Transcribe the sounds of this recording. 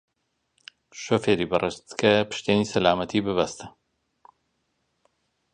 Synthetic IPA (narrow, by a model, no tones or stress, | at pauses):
ʃoːfeːɾiːbɐrʔeʃt̪kʰɐpʰɨ̥ʃt̪eːniːsɐlaːmɐt̪ʰiːbɨbast̪ɐ̥